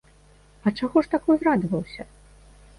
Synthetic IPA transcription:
ɐt͡ʂaɣɔʂt̪akɨzrad̪vɐwsʲɐ

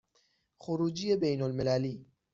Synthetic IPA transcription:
xʊɾuːd͡ʒɪjːabejnalmɪlaːliː

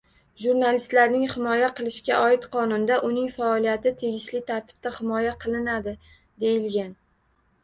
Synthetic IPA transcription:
ʒuɾnalɪst̪laɾnɪŋhɪmɒjaqʰɨlˠɪʃkʲaʔɒɪt̪qʰɒnʊnd̪aʔʊnɪŋfaɒlˠijat̪ɪt̪ʰe̞ɡʲɪʃlɪt̪ʰaɾt̪ʰɪ̥b̥̚t̪ahɪmɒjaqʰɨlˠɪnad̪ɪ | d̪e̞jɪlɡʲan

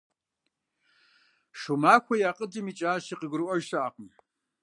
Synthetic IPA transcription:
ʂumaːkʷɐjaːqʼədɨmit͡ʃʼaːʃiqəɡɨrʔɔʒsaʔaːqəm

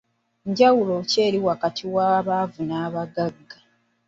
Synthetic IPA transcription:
ɲɟawulo̞ce̞ːɾiwakatʰiwaβavunaːβaɡaɡːa

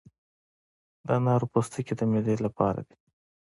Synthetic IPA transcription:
d̪ɑnɑɾupost̪əked̪əmed̪elapɑ̰ɾa̰d̪i̥

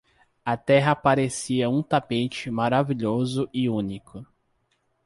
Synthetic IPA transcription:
ɐt̪ɛɦɐpaɾesiɐũt̪apet͡ʃɪmaɾaviʎozʊʔɪũnikʰʊ

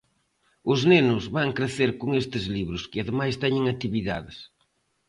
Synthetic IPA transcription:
ʊznenʊzβaŋkɾeθeɾkʊŋest̪ɪzliβɾʊskɪaðɪmajst̪ɛɲɪŋat̪iβiða̰ðɪs

